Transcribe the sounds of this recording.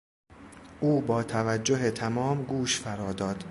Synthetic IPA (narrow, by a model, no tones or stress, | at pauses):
ʔuːbɒːt̪ʰævæd͡ʒːoɦet̪ʰæmɒːmɡuːʃfæɾɒːd̪ɒːd̪̥